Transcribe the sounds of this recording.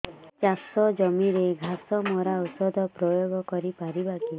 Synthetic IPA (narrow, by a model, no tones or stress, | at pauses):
t͡ʃasɔd͡ʒɔmiɾeɡʱasɔmɔɾawsɔd̪ʱɔpɾɔjoɡɔkɔɾipaɾibaki